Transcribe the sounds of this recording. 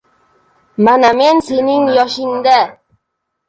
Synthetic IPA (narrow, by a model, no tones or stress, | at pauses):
manamensɪnɪŋjɒʃɪnd̪a